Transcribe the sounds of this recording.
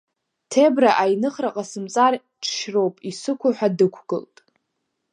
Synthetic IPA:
tʰebraʔajnɨχraqʼasɨmt͡sʼar | ʈ͡ʂʰʃro̞wpʼisɨkʷʰaħʷᶣadɨkʷʰɡ̥ɨ̰ltʼ

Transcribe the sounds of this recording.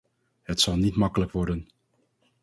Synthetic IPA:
ɦətsɑlˠnitmɑkələkʋɔɹdən

